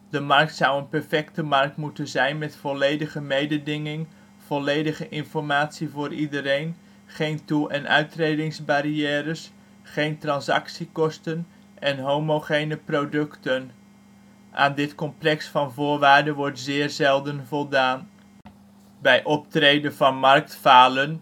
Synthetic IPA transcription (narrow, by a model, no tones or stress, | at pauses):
d̥əmɑrk̚tsʌwənpɛɹfɛktəmɑrk̚tmutənzɛjnmɛtfɔlejdəχəmejdədɪŋɪŋ | v̥ɔlejdəχəʔɪnfɔɹmaːtsivʊːɾʔidəɾejn | χejntulˠʔɛnʔœ̰ɥtrejdɪŋzbaɾiɛːɾəs | χejntrɑnsɑ̰ksikɔstən | ʔɛnɦowmowχejnəprodɵktən | ʔa̰ːndɪtkɔmplɛksfɑnvʊːɹʋaːɹdənʋɔɹtzɪːɹzɛlˠdənvɔlˠdaːn | bɛjʔɔp̚trejdənvɑnmɑrk̚tfaːlən